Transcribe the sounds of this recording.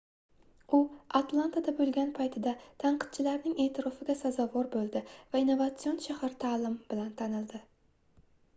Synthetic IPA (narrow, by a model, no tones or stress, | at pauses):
ʊat̪ʰlˠant̪ʰad̪abɵlɡʲanpʰajt̪ʰɪd̪at̪ʰaɴqɨ̥t̪̚t͡ʃʰɪlaɾnɪŋe̞ːt̪ʰɪɾɒfɪɡʲasazɒvɒɾbolˠd̪ɪvainːovat̪sionʃahaɾt̪ʰalˠɪmbɪlant̪ʰanɪld̪ɪ